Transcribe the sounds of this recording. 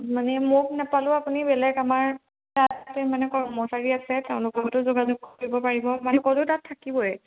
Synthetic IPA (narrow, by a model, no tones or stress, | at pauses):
manɛmok̚nɛpalʊapunibɛlɛkamaɹ | tattemanɛkɔɹmɔsaɹiasɛtɛʊ̃lʊkɔtʊzoɡazuɡoibɔpaɹibɔmankɔlʊtatʰːakibɔɛ